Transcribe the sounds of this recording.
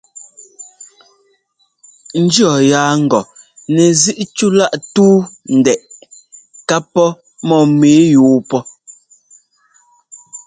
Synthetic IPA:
n̩˦d͡ʒjɔ˨jaː˨˦ŋ̩˨ɡɔ˨ | nɛ˨zi˦ʔt͡ʃu˦la˦ʔtuː˦n̩˨dɛ˨ʔ | ka˦pːɔ˦ | mɔ˦˨meː˨˦juː˨˦pɔ˦

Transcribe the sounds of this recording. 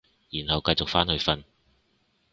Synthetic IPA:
jiː˨˩nhɐ˨wkɐ˧jt͡sʊ˨k̚faː˥nhɵ˧ɥfɐ˧n

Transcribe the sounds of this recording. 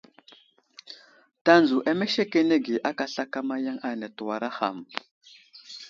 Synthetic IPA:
ta˦nd͡zu˨ʔa˦me˦ʃe˦ke˦ne˦ɡi˨ʔa˦ka˨ɬa˦ka˦ma˦ja˦ŋa˨na˨tu˨wa˨ɾa˦xa̰˨m˨

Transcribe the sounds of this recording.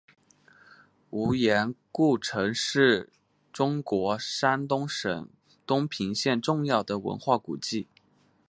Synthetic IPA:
u˧˥jɛ˧˥nku˥˩ʈ͡ʂʰɤ˧˥ŋʂɻ̩˥˩ | ʈ͡ʂʊ˥ŋkwɔ˧˥ʂa˥nt̪ʊ˥ŋʂə̰˨˩ŋ | t̪ʊ˥ŋpʰi˧˥ŋɕjɛ˥˧nʈ͡ʂʊ˥˧ŋjɑ˥˩ʊd̪ə˩wə̰˧˥nxwa˥˩ku˨˩t͡ɕi˥˩

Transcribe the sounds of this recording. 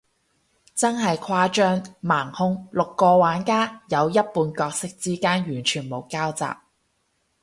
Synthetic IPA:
t͡sɐ˥nɦɐ˨jkʰwaː˧t͡ʃœː˥ŋmaː˨˩ŋhʊ˧ŋlʊ˨kːɔː˧waː˨˥nkaː˥jɐ˨˧wjɐ˥t̚puː˨˧nkɔː˧k̚sɪ˥k̚t͡siː˥kaː˥njyː˨˩nt͡ʃʰyː˨˩nmo˨˩wkaː˥wt͡sa̰ː˨p̚

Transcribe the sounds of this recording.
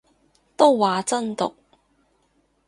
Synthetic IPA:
t̪o˥wwaː˨˧t͡sɐ˥nt̪ʊ̰˨k̚

